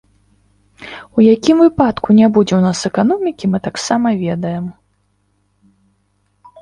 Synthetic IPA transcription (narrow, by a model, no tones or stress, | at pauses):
ujakʲimvɨpat̪kunʲabud͡zʲɛwnasɛkanɔmʲikʲimɨt̪aksamɐvʲɛd̪ɐjɛm